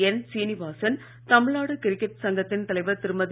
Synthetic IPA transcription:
ɛnsiːniʋaːsɐn | t̪ɐmɪɻaːɽɯkɪɾɪkːɛʈ̚sɐŋɡɐt̪ːɪnt̪ɐlɐɪʋɐt̪ɪɾɯmɐð

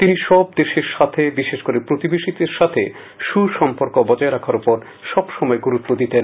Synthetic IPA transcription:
t̪iniʃɔb̚d̪eʃeɾʃat̪ʰebiʃeʃkoɾepɾot̪ibeʃit̪eɾʃat̪ʰe | ʃuʃɔmpoɾkobɔd͡ʑaeɾakʰaɾupoɾ | ʃɔbʃɔmɔeɡuɾut̪ːod̪it̪en

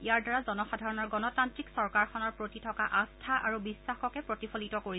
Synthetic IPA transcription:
iaɹdaɹazɔnɔxadʱaɹɔnɔɹɡɔnɔtantɹiksɔɹkaɹkʰɔnɔɹpɹotitʰɔkaʔastʰaʔaɹubisːaxɔkɛpɹotifʰolitɔkoɹi

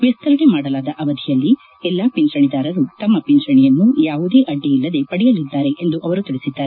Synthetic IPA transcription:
ʋɛst̪ɐɾɐɡemaːɽɐlaːd̪ɐʔɐʋɐd̪ʱijɐlːi | ɛlːaːpint͡ʃɐɳid̪aːɾɐɾut̪ɐmːɐpint͡ʃɐɳijɐnːujaːʋud̪e̞ːʔɐɖːiilːɐd̪e̞pɐɽijɐlid̪ːaːɾe̞ʔend̪uʔɐʋɐɾut̪iɭisid̪ːaːɾe

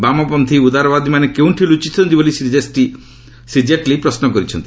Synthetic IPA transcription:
bamɔpɔnt̪ʰiud̪aɾɔbad̪ʱimanekew̃ʈʰilut͡ʃit̪ʰɔnt̪ibolisid͡ʒesʈi | sid͡ʒeʈlipɾɔsnɔkɔɾit͡ʃʰɔnt̪i̥

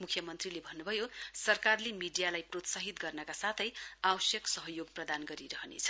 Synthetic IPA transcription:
mukʰjʌmʌnt̪rilebʱʌnːubʱʌjosʌrkarlemiɖijalajprot̪saɦit̪ɡʌrnʌkasat̪ʰʌjawʌsjʌksʌɦʌjoɡ̚prʌd̪anɡʌɾiɾʌɦnḛt͡sʰʌ̥

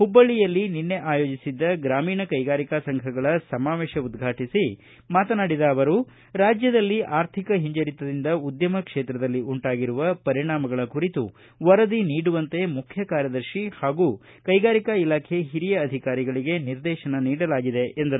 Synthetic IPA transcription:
hubːɐɭijɐlːininːe̞ʔaːjo̞ːd͡ʒisid̪ːɐɡɾaːmiːnɐkɐjɡaːɾikasɐŋɡʰʱɐɡɐɭɐsɐmaːʋeːʃɐud̪ɡʱaːʈisi | maːt̪ɐnaːɽid̪ɐːʋɐɾu | ɾaːd͡ʒjɐd̪ɐlːiʔaːɾt̪ʰikɐɦiɲd͡ʒɐɾit̪ːɐd̪ind̪ɐud̪jɐmɐkʂeːt̪ɾɐd̪ɐlːiuɳʈaːɡiɾuʋɐpɐɾiɳaːmɐɡɐɭɐkuɾit̪ṵ | ʋɐɾɐd̪iniːɽuʋɐnt̪e̞mukʰjɐkaːɾjɐd̪ɐɾʃihaːɡuː | kɐjɡaːɾikɐilaːkʰeɦiɾijɐːd̪ʱikaːɾiɡɐɭiɡe̞niɾd̪ɛːʃɐnɐniːɽɐlaːɡid̪e̞ʔend̪ɐɾu

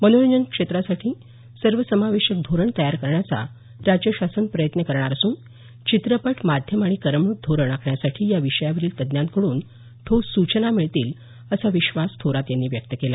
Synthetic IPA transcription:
mənoləɲənkʂet̪ɾasaʈʰiː | səɾʋəsəmaʋeɕək̚d̪ʱoɾəɳt̪əjaɾkəɾɳjat͡sa̰ | ɾad͡ʑjəɕasənpɾəjət̪nəkəɾɳ̃aɾəsuːn | t͡ɕit̪ɾəpəʈʰmad̪ʱjəmaɽ̃ikəɾəmɳuːt̪̚d̪ʱoɾəɳakʰɳjasaʈʰiːjaʋiʂəjaʋəɾiːlt̪əd̪njãnt̪kəɽuːn | t̪ʰosut͡ɕənamiɭt̪iːl | əsaʋiɕʋast̪ʰoɾat̪janːiːʋjək̚t̪əkela

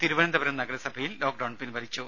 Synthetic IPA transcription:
t̪iɾuʋɐnɐnd̪ɐbɐɾɐmnɐɡɐɾɐsɐbʱɐjillo̞ːk̚ɖɐwnpinʋɐɾit͡ɕːu

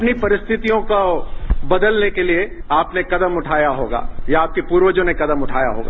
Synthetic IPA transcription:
ɐpnipɐɾɪst̪ʰɪt̪ijõkobɐd̪əlnekelieaːpnekɐd̪əmʊʈʰaːjaɦoːɡa̰ːjaaːp̚kepuːɾʋəd͡ʒõnekɐd̪əmʊʈʰa̰ːja̰ɦo̰ːɡa̰ː

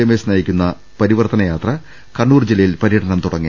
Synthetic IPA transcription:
emesnɐjikʲːunːɐ | pɐɾiʋɐrt̪ʰɐnɐjaːt̪rɐ | kɐɳːuːrd͡ʑilɐjilpɐɾiːʈɐnɐmt̪uɽɐŋːi

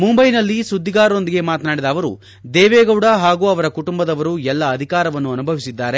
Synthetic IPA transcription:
mumbɐjnɐlːisud̪ʱːiɡaːɾo̞nd̪iɡe̞maːt̪naːɽid̪ɐːʋɐɾṵ | d̪ɛːʋɛːɡɐwɽɐɦaːɡuːɐʋɐɾɐkuʈumbɐd̪ɐʋɐɾuɛlːɐːd̪ʱikaːɾɐʋɐnːuɐnubʱɐʋisid̪ːaːɾe̞

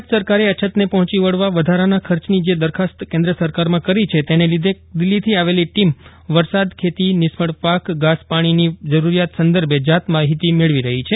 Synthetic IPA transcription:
t̪səɾkaɾeət͡ʃʰət̪nepɔɦɔ̃t͡ʃiʋəɽʋaʋəd̪ʱaɾanakʰəɾt͡ʃnid͡ʒed̪əɾkʰast̪kẽnd̪ɾəsəɾkaɾmãkəɾit͡ʃʰet̪enelid̪ʱe | d̪ɪlːit̪ʰiaʋeliʈim | ʋəɾsad̪kʰet̪inɪspəɽpakɡaspaɽ̃inid͡ʒəɾuɾijat̪sənd̪əɾbed͡ʒat̪maɦit̪imeɭʋiɾəɦit͡ʃʰe

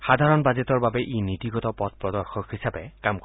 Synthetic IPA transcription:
xad̪ʱaɹɔnbazetɔɹbabɛʔinit̪iɡɔtɔpɔt̪̚pɹɔdɔɹxɔkhisabɛkamk

